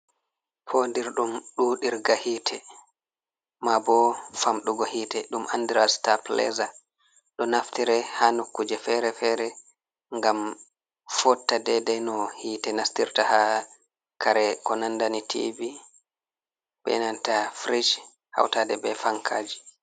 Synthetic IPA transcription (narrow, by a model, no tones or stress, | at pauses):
pʰondiɾɗumɗuɗiɾɡahiːtʰɛ | mabɔfamɗuɡɔhiːtɛɗumʔandiɾastaplɛ̰za | ɗɔnaftiɾɛhanokːud͡ʒɛfɛɾɛfɛɾɛ | ŋɡam | fɔtːadɛdɛnɔhiːtɛnastiɾtaha | kʰaɾɛkɔnandanitʰḭvi | bɛ̰nantafɾid͡ʒ | ha̰wtaːdɛbɛfaŋkʰaːd͡ʒi